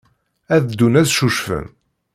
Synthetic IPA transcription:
æðd̪ːunæðʃuʃfə̰n

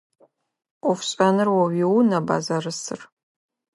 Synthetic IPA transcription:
ɔfʷɕʼanɨrwɔwiwnɐba̰ːzarɨsɨ̰r

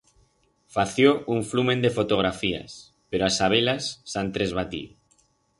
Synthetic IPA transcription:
faθjoʔuɱflumẽnd̪efot̪oɣ̞ɾafia̰s | peɾoasaβ̞elasːant̪ɾezβ̞at̪ḭ

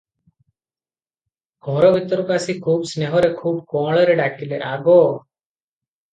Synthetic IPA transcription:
ɡʱɔɾɔbʱit̪ɔɾɔkasikʰuːbsneɦɔɾekʰuːb̚kɔːɭɔɾeɖakileʔaɡɔ

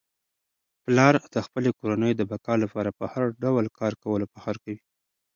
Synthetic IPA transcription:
plɑɾd̪̥əxpəlekoɾanəjod̪əbakɑlapɑɾapəhaɾɖawəlkɑɾkawəlopəxaɾkawi

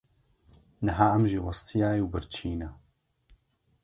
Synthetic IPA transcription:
nɨɦaːɐmʒiwɑst̪ʰijaːjiwbɨɾt͡ʃʰiːnɐ

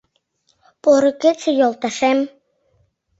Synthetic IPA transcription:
poɾɤ̆ket͡sĕjolˠt̪ɑʃem

